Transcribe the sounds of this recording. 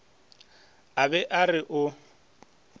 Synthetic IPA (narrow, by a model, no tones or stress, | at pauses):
abɛʔarɪʔʊ